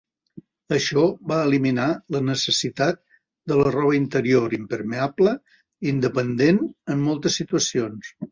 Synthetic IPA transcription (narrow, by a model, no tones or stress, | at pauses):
əʃɔβaəliminalənəsəsit̪at̪̚ | d̪ələrɔβ̞əint̪əɾioɾimpəɾmeablə | ind̪əpənd̪enəmːɔlˠt̪əsːit̪uəsions